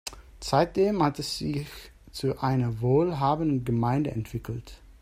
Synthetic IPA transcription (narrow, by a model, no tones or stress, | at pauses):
t͡saɪt̚d̥eːmhatɛsz̥ɪç | t͡suʔaɪnɐvoːlɦaːbənən̩ɡəmaɪndəɛ̰ntv̥ɪkl̩t